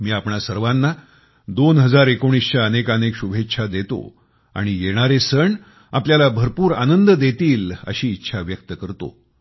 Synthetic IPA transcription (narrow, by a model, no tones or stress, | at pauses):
miːapɳasəɾʋanːa | d̪onɦəd͡zaɾekoɽ̃isɕaənekənekɕubʱetːɕʰad̪et̪o̰ | a̰ɽ̃ijeɽ̃aɾesəɳ | apljalabʱəɾpuːɾa̰nənd̪əd̪et̪iːlə̰ɕiːtːɕʰaʋjək̚t̪əkəɾt̪o̰